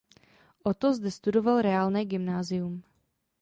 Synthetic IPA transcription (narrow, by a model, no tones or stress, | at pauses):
ʔot̪ozdɛst̪udovalɾɛaːlnɛːɡɪmnaːzɪjum